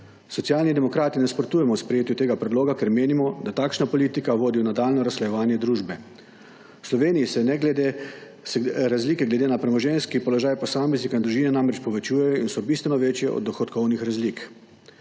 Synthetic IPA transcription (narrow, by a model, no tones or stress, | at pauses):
sɔt̪sijaːlnid̪ɛmɔkɾaːt̪inɛspɾɔt̪uːjɛmɔwspɾɛjeːt̪jut̪eːɡapɾɛd̪loːɡakɛɾmeːnimɔd̪at̪aːkʃnapɔliːt̪ikaʋoːd̪iwnad̪aːlnɔɾaslɛjɛʋaːnjɛd̪ɾuːʒbɛ | slɔʋeːniisɛnɛɡld̪e | sɾazliːkɛɡlɛd̪eːnapɾɛmɔʒɛnskipɔlɔʒaːjpɔsaːmɛznikaind̪ɾuʒiːnɛnamɾɛt͡ʃpɔʋɛt͡ʃuːjɛjɔinsɔbist̪ʋɛnɔʋeːt͡ʃjɛɔ̰d̪ːɔxɔt̪kɔwnixɾazlik